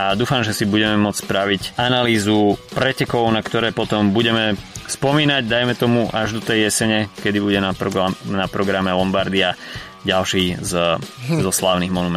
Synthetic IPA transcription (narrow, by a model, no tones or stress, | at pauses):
ad̪uːfamʒɛsibuɟɛmɛmʊɔt͡sspɾaʋicanaliːzupɾɛcɛkɔʊnakt̪ɔɾɛːpɔt̪ɔmbuɟɛmɛspɔmiːnaɟd̪ajmɛt̪ɔmuʔaʒd̪ɔt̪ɛjjɛsɛɲɛkɛd̪ibuɟɛnaɔnapɾɔɡɾamɛlɔmbaɾd̪ia | ɟalʃiːzzɔslaːʊniɣmɔnumɛ